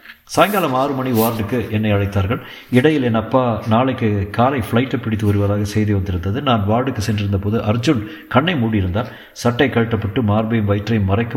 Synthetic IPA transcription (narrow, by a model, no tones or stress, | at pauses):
saːjŋɡaːlɐmaːrɯmɐɳiaːɾɖɯkːɯʔɛnːɐɪɐɻɐɪt̪ːaːɾɣɐɭ | ɪɽɐjɪlɛnɐpːaːnaːɭɐɪkːɯkaːlɐɪfɪɭɐɪʈːɐpːɪɽɪt̪ːɯʋɐɾɯʋɐðaːɣɐsɛjðɯʋɐnd̪ɪɾɯnd̪ɐðɯnaːnʋaːɽɯkːɯsɛndrɪɾɯnd̪ɐpoːðɯʔɐɾd͡ʒɯn | kɐɳːɐɪmuːɽijɪɾɯnd̪aːn | sɐʈːɐɪkːɐɻɯʈːɐpːɐʈːɯmaːɾbɐjɯmʋɐɪʈrɐjɯmːɐrɐɪkːɯ